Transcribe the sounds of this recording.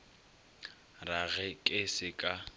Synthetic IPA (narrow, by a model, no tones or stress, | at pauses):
raɣɛkʼɪsɪkʼa